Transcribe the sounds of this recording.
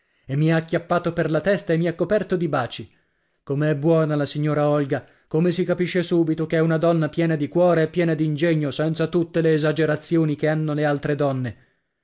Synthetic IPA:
emːiakːjapːaːt̪operlat̪ɛst̪aemːiakːopɛrt̪od̪ibaːt͡ʃi | komeɛbːwɔːnalasiɲːoːɾaɔlɡa | komesikapiʃːesuːbit̪okeɛunad̪ɔnːapjɛːnad̪ikwɔːɾeːpːjɛːnad̪iːnd͡ʒeɲːosɛnt̪sat̪ut̪ːeleːzad͡ʒeɾat̪sːjoːnikeanːolealt̪ɾed̪ɔnːe

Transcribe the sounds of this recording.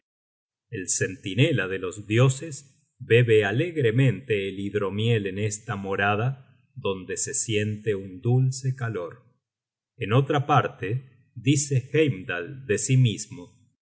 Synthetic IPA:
else̞nt̪inelaðe̞lo̞zðjo̞sez | be̞βealeɣɾemẽ̞nt̪eːliðɾo̞mje̞lenest̪amo̞ɾað̞a | ðo̞nd̪e̞se̞sje̞nt̪eund̪ulsekalo̞ɾ | eno̞t̪ɾapaɾt̪e | ðisexejmd̪ald̪e̞simizmo

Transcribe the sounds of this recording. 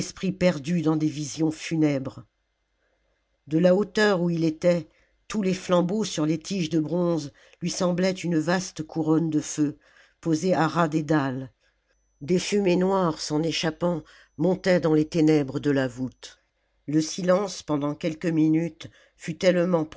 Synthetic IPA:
spχipɛʁd̪yd̪ɑ̃d̪evizjɔ̃fynɛbʁ | d̪əlaot̪œʁuilet̪ɛ | t̪uleflɑ̃bosyʁlet̪ʰiʒd̪əbʁɔ̃z | lɥisɑ̃blɛt̪ynvast̪kʰuʁɔnd̪əfø | pozeaʁad̪ed̪al | d̪efymenwaʁsɑ̃neʃapɑ̃ | mɔ̃t̪ɛd̪ɑ̃let̪enɛbʁəd̪əlavut̪ | ləsilɑ̃spɑ̃d̪ɑ̃kʲɛlkəminyt̪ | fyt̪ɛlmɑ̃p

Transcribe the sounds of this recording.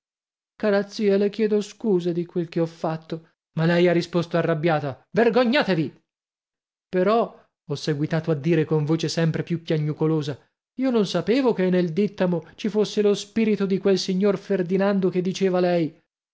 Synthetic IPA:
kaːɾat̪siːɛlekjɛːd̪oskuːzed̪ikwelkeɔfːat̪ːo | malɛjarːispost̪oarːabːjaːt̪averɡoɲːaːt̪evi | peɾɔ | ɔsːeɡwit̪aːt̪oad̪ːiːɾekoɱvoːt͡ʃesɛmpɾepjupjaɲːukoloːza | iːononsapeːvokenːeld̪it̪ːamot͡ʃifosːelospiːɾit̪od̪ikwelsiɲːorferd̪inand̪oked̪ːit͡ʃeːvalɛj

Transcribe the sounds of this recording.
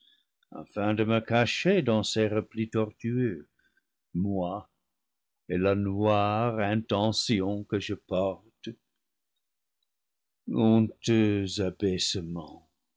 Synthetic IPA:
a̰fɛ̃d̪əməkaʃed̪ɑ̃sɛʁəplit̪ɔʁt̪yø | mwa | elanwaʁɛ̃t̪ɑ̃sjɔ̃kəʒəpɔʁt̪ | ɔ̃t̪øzabɛsəmɑ̃

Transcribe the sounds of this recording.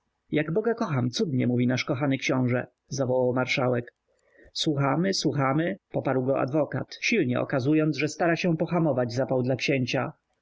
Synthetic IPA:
jaɡbɔɡakɔxamt̪sud̪ɲɛmuvʲinaʂkɔxanɘkɕɔ̃w̃ʐɛ | zavɔwawmaɾʂawɛk | swuxamɘswuxamɘpɔpaɾwɡɔa̰d̪vɔka̰t̪ɕilɲɛ̰ɔ̰kazujɔnd̪zʐɛst̪aɾaɕɛpɔxamɔvad͡ʑzapawd̪lakɕeɲt͡ɕa

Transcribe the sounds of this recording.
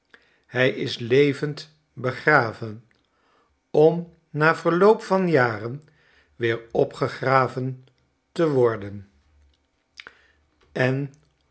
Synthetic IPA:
hɛjɪslejvənt | bəχraːvən | ɔm | naːv̥əɹlowpfɑnjaːrən | ʋɪːɹɔpχəχraːvən | təʋɔɹdən | ɛn

